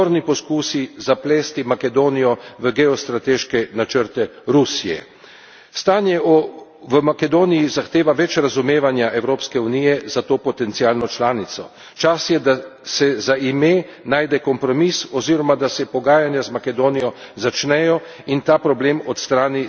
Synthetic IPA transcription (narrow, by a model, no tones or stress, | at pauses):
oɾnipɔskuːsizaplɛːst̪imakɛd̪oːnijɔʋəɡɛɔst̪ɾat̪eːʃkɛnat͡ʃəɾt̪ɛɾusijɛ̰ | st̪aːnjɛɔ | ʋəmakɛd̪oːnijizaxt̪eːʋaʋɛt͡ʃɾazumeːʋanjaʔɛwɾoːpskɛunijɛzat̪oːpɔt̪ɛnt̪siaːlnɔt͡ʃlaːnit̪sɔ̰ | t͡ʃasjɛd̪asɛzaime | naːjd̪ɛkɔmpɾɔmisɔziɾɔmad̪asɛpɔɡaːjanjazmakɛd̪oːnijɔzat͡ʃnɛjɔ | int̪aːpɾɔbleːmɔt̪st̪ɾaːni